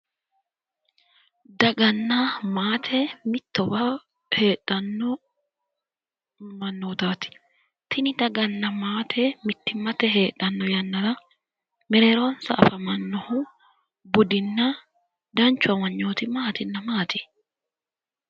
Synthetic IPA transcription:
d̪ɐɡɐnːɐmaːt̪ʰɛmɪt̪ːɔbɐ | he̞ːᶑɐnːɔ | mɐnːoːt̪aːt̪ɪ̥ | t̪ʰɪnɪd̪ɐɡɐnːɐmaːt̪ʰɛmɪt̪ːɪmɐt̪ɛɦe̞ːᶑɐnːɔjɐnːɐɾɐ | mɛɾeːɾonsɐʔfɐmɐnːɔhʊ | bʊd̪ɪnːɐ | d̪ɐnt͡ʃːʊɐwɐɲːo̞ːt̪ɪmaːt̪ɪnːɐmaːt̪ɪ̥

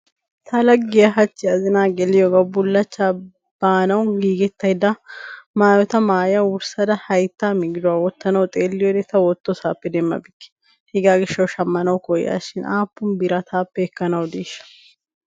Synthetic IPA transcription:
t̪ɐlɐɡːɪjɐɦɐt͡ʃːɪɐzɪnaːɡɛlɪjɔɡɐbʊlːɐt͡ʃːa | b̥aːnɐwʊɡiːɡɛt̪ːɐjd̪ɐmaːjɔt̪ɐmaːjɐwʊɾsɐd̪ɐhɐjt̪ːaːmɪɡɪd̪ʊwawɔt̪ːɐnɐwt̪ʼeːlːɪjɔd̪ɛt̪ɐwɔt̪ːɔsaːpːɛd̪ɛmːɐ̰bɪkːɪ̥ | hɪɡaːɡɪʃːɐwʃɐmːɐnɐwkɔjːa̰ːʃɪnaːpːʊmbɪɾɐt̪ʰaːpːɛɛkːɐnɐwd̪eːʃːɐ̥

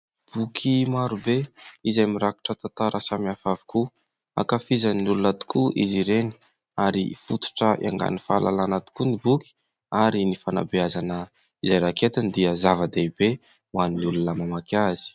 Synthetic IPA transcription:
b̥ukʰimaɾubeizajmiɾaku̥ʈ͡ʂət̪at̪aɾʔasamiafavi̥ku | a̰kafizannulunat̪u̥kuʔiziɾeni̥ | aɾḭfut̪u̥ʈ͡ʂəḭa̰ŋɡa̰nifalalanat̪u̥kunibuki̥ | aɾinifana̰biazanə | izajɾaket̪and̪iəzavəd̪eibe | waniniulunəmamakaz̥i̥

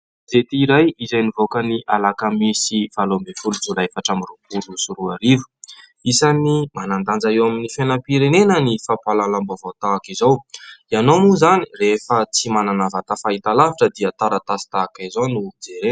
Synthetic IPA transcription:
zet̪iːɾajizajnivokəniʔalakamisivalombefulud͡zulaefaʈ͡ʂamirupulusuɾuaɾivu̥ | isanimanand̪and͡zaewaminifenəpiɾenenənifapalalambavot̪aːkizowianomuzani̥refət͡simananavat̪afaɦit̪alaviʈ͡ʂəd̪iat̪aɾat̪asi̥t̪akaizonud͡zeɾen

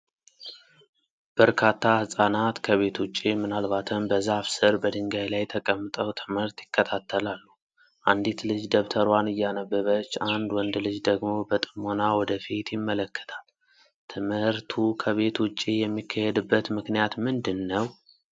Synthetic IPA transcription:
b̥əɾkʰat̪ːahɨsʼanat̪kʰəβe̞t̪wʊt͡ʃʼːimɨnalbat̪ʰəmbəzafsɨɾbəd̪ɨŋɡajlajt̪ʰəkʼəmːɨt̪ʼəwt̪ʰɨmhɨɾt̪jɪkːət̪ʰat̪ʰːəlalːu | ʔand̪it̪lɨd͡ʒd̪əβt̪ʰəɾwanɨjːanəbːəβət͡ʃːand̪wɔnd̪lɨd͡ʒd̪əɡmo̞bət̪ʼɨmonawɔd̪əfit̪jɪmːələkːə̥t̪ʰal | t̪ʰɨmhɨɾt̪ʰukʰəβe̞t̪wʊt͡ʃʼːijɛmːikʰːəhed̪ɨbːət̪mɨknijat̪mɨnd̪ɨnːəw

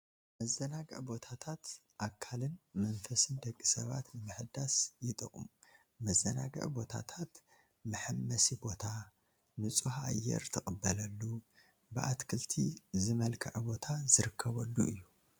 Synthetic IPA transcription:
mɐzːɐnaɡɐ̰ʕbo̞t̪ʰat̪ʰat̪ʔakʰalɨnmɐnfɐsɨnd̪ɐkʼːisɐβa̰t̪nɨmɨħɨd̪asjɪt̪ʼɐχʼṵmu | mɐzːɐna̰ɡɐ̰ʕbo̞t̪ʰa̰t̪ʰat̪ | mɨħɨmːɐsibo̞t̪ʰa | nɨt͡sʼuhʔa̰jːɛ̰ɾt̪ʰɨxʼɨbːɐlɐlːu | bɨʔa̰t̪kʰɨlt̪ʰizɨmɐlkʰɐʕbo̞t̪ʰazɨɾɨkʰːɐβɐlːuʔɨjːu

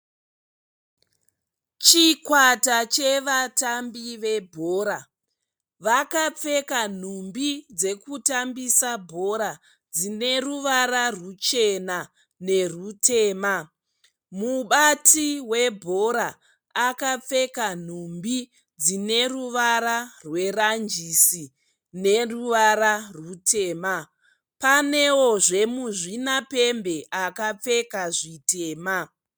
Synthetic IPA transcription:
t͡ʃikwatat͡ʃe̞ʋatambiʋe̞bʱoːɾa | ʋakap͡fe̞kan̤umbid͡ze̞kutambisabʱo̞ɾa | d͡zine̞ruʋaɾarut͡ʃe̞na | ne̞rute̞ːma | muɓatʰiwe̞bʱo̞ɾaː | kap͡fe̞kan̤umbi | d͡zine̞ruʋaɾarwe̞rand͡ʒisi | ne̞ruʋaɾarutʰe̞ːma | pane̞wo̞ʐe̞muʐinape̞mbe̞ʔakap͡fe̞kaʐite̞ːma

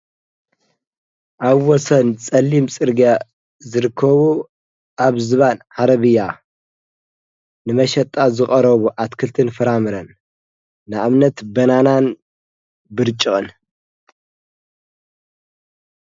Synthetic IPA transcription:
ʔaβwɔsɐnt͡sʼɐlːimt͡sʼɨɾɡa | zɨɾɨkʰːɐβu | ʔaβzɨβanʕaɾɐβɨjːa | nɨmɐʃɐt̪ʼazɨχʼɐɾɐβuʔat̪kʰɨlt̪ʰɨnfɨɾamɨɾɐnː | ɨʔamnɐt̪bɐnanan | bɨɾt͡ʃʼːɨχʼɨn

